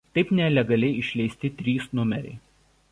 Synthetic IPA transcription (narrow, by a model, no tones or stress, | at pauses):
t̪ɐɪpnʲɛlʲɛɡɐlʲɛɪɪʃʲlʲɛɪsʲt̪ʲɪt̪ʲɾʲiːsnʊmʲɛɾʲɛ̰ɪ